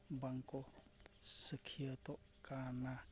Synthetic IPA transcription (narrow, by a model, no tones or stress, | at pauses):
baŋkɔ | səkʰiət̪ɔʔ | kana